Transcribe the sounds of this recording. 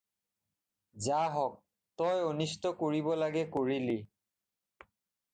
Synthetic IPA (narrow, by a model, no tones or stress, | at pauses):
zaɦɔk̚ | tɔjonistɔkoɹibɔlaɡɛkoɹili